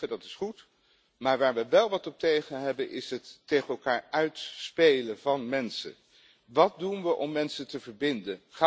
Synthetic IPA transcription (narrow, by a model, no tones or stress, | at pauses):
ədɑtɪ̥sχut | maːɹʋaːɹʋəʋɛlˠʋɑtɔp̚tejχənɦɛbənʔɪsɦətːejχənɛlˠkaːɹœɥtspejləvɑnmɛnsə̰n | ʋɑt̚dunʋəʔɔmːɛnsətəvəɹbɪndənχa